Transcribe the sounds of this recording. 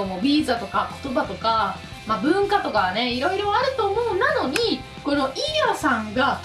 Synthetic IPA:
omobʲiːzat̪o̞kako̞̥t̪o̞bat̪o̞ka | mabɯ̟̃ŋkat̪o̞kane̞iɾo̞iɾo̞aɾɯ̟t̪o̞ːmo̞ɯ̟nano̞ɲ̟i | ko̞no̞ʔiɾasãŋɡa

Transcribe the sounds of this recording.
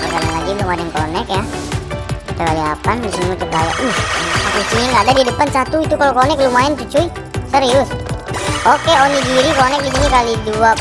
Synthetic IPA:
pəɡalaŋlaɡid̪umadəŋkonɛkja | t̪əkalia̰pandisiut̪ukaja̰ʔuhaisinŋɡadadiadəpansat̪uit̪ukalokonɛklumaɛnt͡ʃut͡ʃui | səɾiʊs | okeoniɡiɾikonɛk̚ɡit̪iɲikalidua

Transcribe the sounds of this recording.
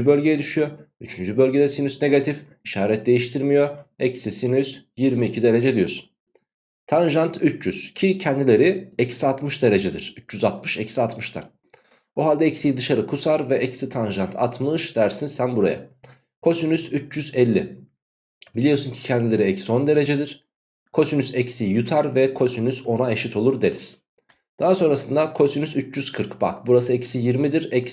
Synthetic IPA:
yd͡ʒybølʲɟe̞jɛd̪yʃyjo̞yt͡ʃʰynd͡ʒybø̞lʲɟed̪ɛsinysne̞ɡat̪ʰif | iʃaːɾɛt̪̚d̪e̞jiʃt̪ʰiɾmijo̞ɛcsisinysjiɾmiːcʰid̪e̞ɾe̞d͡ʒɛd̪ijo̞su̥n | t̪ʰanʒant̪ʰyt͡ʃt͡ʃyz̥cʰicʰɛnd̪ilʲe̞ɾiɛcsiat̪mɯʃd̪e̞ɾe̞d͡ʒɛd̪ḭɾ̥yt͡ʃt͡ʃyzat̪mɯʃɛcsiat̪mɯʃt̪ʰa̰n | buɦalʲd̪ɛɛcsijd̪ɯʃaɾɯkʰusaɾvɛʔɛcsit̪ʰanʒant̪ʰa̰t̪ʰmɯʃd̪æɾsinsænbuɾa̰ja̰ | kʰo̞synysyt͡ʃd͡ʒyzɛlʲːi | bilʲijo̞suncʰi̥cʰɛnd̪ilʲe̞ɾiɛcsio̞nd̪e̞ɾe̞d͡ʒɛd̪iɾ̥ | kʰo̞synysɛcsijut̪ʰaɾvɛkʰo̞synyso̞nae̞ʃit̪ʰo̞lˠuɾd̪e̞ɾis | d̪̥aɦaso̞nɾasɯnd̪akʰo̞synysyt͡ʃd͡ʒyz̥kʰɯɾkba̰kbuɾasɯɛcsijiɾmid̪iɾɛcs

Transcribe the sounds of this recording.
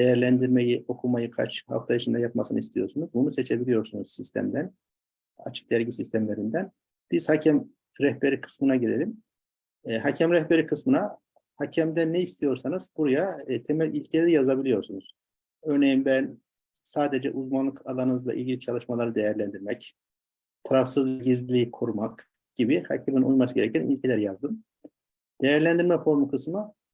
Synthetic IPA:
d̪ejæɾlʲænd̪iɾmejiʔo̞kʰumajɯkʰa̰t͡ʃha̰ft̪ʰajiʃʰind̪ajapma̰sɯnɯist̪ijo̞ɾsunuzbunuse̞t͡ʃʰe̞bilijo̞ɾsunuz̥sist̪ʰæ̰md̪æn | a̰t͡ʃʰɯ̥k̚d̪æɾɟisist̪ʰæmlʲe̞ɾind̪æn | b̥iz̥hacʰæm | ɾɛhbe̞ɾikʰɯ̥smɯnaɟelʲe̞lʲimː | hacʰæmɾɛhbe̞ɾikʰɯsmɯna | hacʰæmd̪ænːɛist̪ʰijo̞ɾsanɯzbuɾajat̪ʰe̞milʲilʲcʰlʲeɾijazabilʲijo̞ɾsunuz̥ | ø̞ɾnejimbæn | saːd̪ed͡ʒɛ̰ʔuzmanlˠɯkʰalˠanɯnɯzlˠa̰ʔḭlʲɟilʲit͡ʃʰalˠɯʃmalˠaɾɯd̪ejæɾlʲænd̪iɾmɛc | t̪ʰaɾafsɯzɟizllʲiikʰuɾumak | ɟ̥ibiha̰cʰɛminujmasɯɟe̞ɾɛcʰænḭlʲcʰelʲæɾijazd̪ɯm | d̪̥e̞jæɾlʲænd̪iɾmɛfo̞ɾmukʰɯsmɯ

